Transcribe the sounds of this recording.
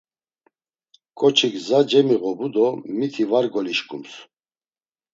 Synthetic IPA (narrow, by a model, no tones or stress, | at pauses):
kʼɔt͡ʃʰikzad͡ʒɛmiɣɔbud̪ɔmit̪ʰivaɾɡɔliʃkʼums